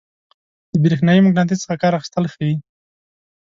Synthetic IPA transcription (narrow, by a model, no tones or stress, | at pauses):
d̪̥əbɾexnɑjimʊɡnat̪̬isə̥xakɑɾaxɪ̥st̪əlxawi